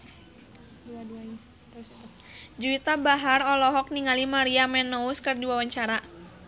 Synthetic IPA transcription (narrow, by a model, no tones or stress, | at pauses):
d͡ʒuit̪abaɦarɔlɔɦɔk̚niŋalimaɾiamɛnːɔuskɨrdiwawaɲt͡ʃaɾa